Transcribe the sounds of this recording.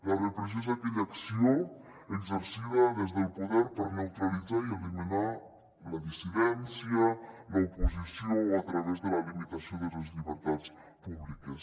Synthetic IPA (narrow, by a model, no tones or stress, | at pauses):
larəpɾes̬ozakeʎaksio | əɡzəɾsiβaðezðəlˠpuðɛɾpəɾnawt̪ɾalid͡zaielimina | ləðisiðɛnsjəlaupuzisioat̪ɾaβezðəlalimit̪asioðələzʎiβəɾt̪at͡s | puβlikəs